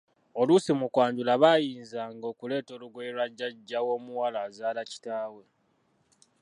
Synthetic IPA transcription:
o̞lusimukwaːɲɟulaβajiːnzaːŋɡo̞ːkule̞ːto̞ːluɡweɾwaɟːaɟːawo̞ːmuwalaːzaːlaci̥taːwe̞

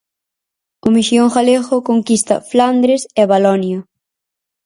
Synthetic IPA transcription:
ʊmiʃjoŋχaleɣʊkoŋkist̪ɐ̰fland̪ɾesɛβalɔnjɐ

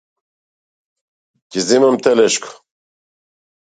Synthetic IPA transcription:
kizimɛmt̪ʰɛlɛʃkʰ

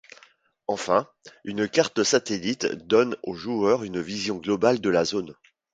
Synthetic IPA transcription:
ɑ̃fɛ̃ | ynkaʁt̪əsat̪elit̪d̪ɔnoʒuœʁynvizjɔ̃ɡlɔbald̪əlazon

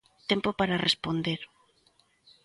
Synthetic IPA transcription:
t̪empopaɾarespond̪eɾ

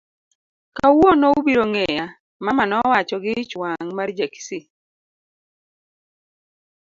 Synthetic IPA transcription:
kawonɔubiɾoŋɛja | mamanɔwat͡ʃɔɡɪt͡ʃwaŋmard͡ʒeksi

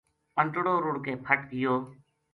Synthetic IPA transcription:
pəɳʈɽoːɾʊɽkeːpʰəʈɡɪjoː

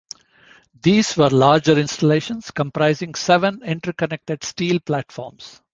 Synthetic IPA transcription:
d̪iːz̥ʋəɾlaːɾd͡ʒəɾɪ̃nsʈəleːʃə̃nskə̃mpɾaɪzɪ̃ŋɡsɛʋə̃nɪ̃ɳʈəɾkənek̚ʈeɖsʈiːlplæʈfɔ̰ːɾms

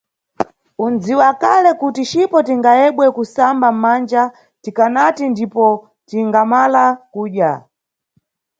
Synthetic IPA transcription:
und͡ziwakalɛkutit͡ʃipɔtiŋɡajɛɓwɛkusambam̩mand͡ʒa | tikanatindipɔ | tiŋɡamalakuːɗja

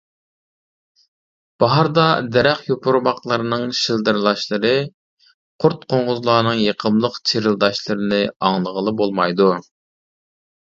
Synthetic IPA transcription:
b̥ɑɦɑɾd̪ɑd̪ɛɾɛχjopʰʊɾmɑqlˠəɾɨnɨŋʃilˠd̪ɨɾlˠɑʃlˠɨɾɨ | qʰʊɾt̪̚qʰoɴʁʊzlˠɑːnɨŋjeqʰəmlˠəqt͡ʃʰiɾɨlˠd̪ɑʃlˠɨɾɨnɨɑŋlˠəʁəlˠɨbolˠmɑjd̪u

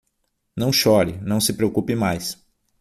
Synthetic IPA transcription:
nɐ̃w̃ʃɔɾɪnɐ̃w̃sɪpɾeokupɪmajs

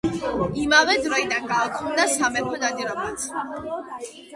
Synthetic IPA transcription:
imavɛd̪ɾɔinaɡaɔkʰɔmd̪asamɛpʰɔnad̪iɾɔmat̪sʰ

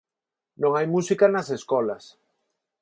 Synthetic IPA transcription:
nõŋajmusikanaseskɔlas

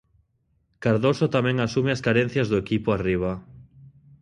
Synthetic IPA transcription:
kaɾðosot̪amɛ̃ŋasumeaskaɾẽn̟θjazðoekipoariβ̞a

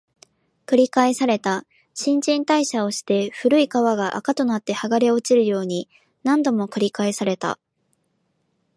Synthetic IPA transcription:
kɯ̟ɾʲikaesaɾe̞t̪a | ɕĩɲ̟d͡ʑĩnt̪aiɕao̞ɕi̥t̪e̞ɸɯ̟ɾɯ̟ikaβaɡaʔa̰kat̪o̞nat̪ːe̞haɡaɾe̞o̞t͡ɕiɾɯ̟jo̞ːɲ̟i | nãnd̪o̞mo̞kɯ̟ɾʲikaesaɾe̞t̪a̰

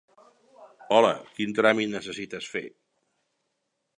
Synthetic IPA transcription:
ɔlə̰kint̪ɾamit̪nəsəsit̪əsfḛ

